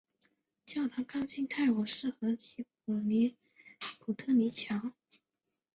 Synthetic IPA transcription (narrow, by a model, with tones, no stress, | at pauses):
t͡ɕjɑ˥˩ʊt̪ʰa˧˥kʰɑ˥ŋɕi˥ŋt̪ʰa˥˩ɪwɔ˨˩ʂɻ̩˥˩xɤ˧˥t͡ɕʰi˧˥pu˨˩ni˧˥ | pʰu˨˩t̪ʰɤ˥˧ni˧˥t͡ɕʰjɑ˧˥ŋ